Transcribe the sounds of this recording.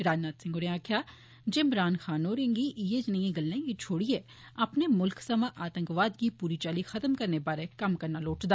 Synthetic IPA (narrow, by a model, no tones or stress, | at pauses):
ɾaːd͡ʒnaːt̪sɪ̃ŋɡoɾẽaːkʰjaː | d͡ʒɪmɾaːnxaːnoːɾẽŋɡiʔjed͡ʒnijẽɡɐlːẽkit͡ʃʰoːɽie | ɐpnemʊlksɐmaʔaːt̪ə̃ŋkʋaːd̪̚kipuːɾit͡ʃaːlixɐt̪əmkɐɾnebaːɾekɐmkɐɾnaloːʈd̪aː